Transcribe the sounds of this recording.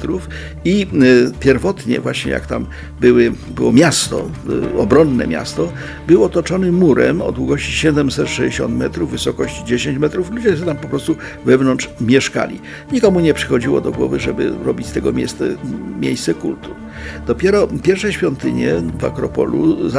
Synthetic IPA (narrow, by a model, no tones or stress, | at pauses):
t̪ɾuf | ipʲjɛɾvɔt̪ɲɛ̰vwaɕɲɛ̰ja̰kt̪am | bɘwɘbɘwɔmʲjast̪ɔ̰ɔbɾɔnːɛ̰mʲja̰st̪ɔ | bɘwɔt̪ɔt͡ʂɔnɘmuɾɛ̰mɔ̰d̪wuɡɔɕt͡ɕi̥ɕɛd̪ɛmsɛt̪ʂɛd͡ʑeɕɔnt̪mɛt̪ɾuvːɘsɔkɔɕt͡ɕid͡ʑeɕeɲt͡ɕmɛt̪ɾuflud͡ʑɛsɛt̪ampɔpɾɔst̪u | vɛvnɔnt͡ʂmʲjɛʂka̰lʲḭ | ɲikɔmuɲɛpʂɘ̥xɔd͡ʑiwɔ̰d̪ɔɡwɔ̰vɘʐɛbɘ̰ɾɔbʲit͡ɕst̪ɛɡɔmʲḛst̪ɛmʲjḛjst̪sɛkṵlt̪u | d̪̥ɔpʲjɛɾɔpʲjɛɾfʂɛɕfʲjɔnt̪ɘɲɛva̰kɾɔpɔ̰lṵza